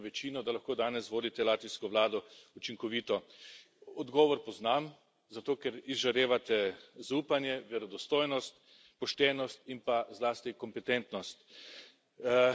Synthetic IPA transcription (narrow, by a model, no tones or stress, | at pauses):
ʋɛt͡ʃiːnɔd̪alaxkoːd̪aːnɛsʋoːd̪it̪ɛlaːt̪ʋiskɔʋlaːd̪ɔut͡ʃiŋkɔʋiːt̪ɔ | ɔd̪ɡɔːʋɔɾpɔznam | zat̪oːkɛɾizʒaɾeːʋat̪ɛzauːpanjɛʋɛɾɔd̪ɔst̪oːjnɔst̪ | pɔʃt̪ɛːnɔst̪impazlaːst̪ikɔmpɛt̪ɛnt̪nɔst̪